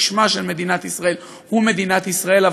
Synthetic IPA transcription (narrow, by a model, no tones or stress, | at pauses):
ʃmaʃe̞lme̞d̪inat̪isʁae̞l | hume̞d̪inat̪isʁae̞lav